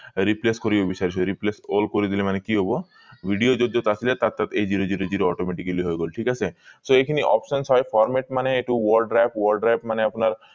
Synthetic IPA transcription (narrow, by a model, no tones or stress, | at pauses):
ɾipleskoɾibebisaɾiʃɔeɾiplesolkoɾid̪ilemanekiɦobo | bʱiɖiod͡ʒod̪ʱːot̪at͡ʃʰilat̪at̪ːat̪ed͡ʑiɾod͡ʑiɾod͡ʑiɾoɔʈomeʈikeliɦojɡolʈʰikasʰesoekʰiniʔɔ̰psɔnsɦɔjfʰɔɾmeʈ̚maneeʈuwɔɾɖɾajpwɔɾɖɾajpmaneapnaɾ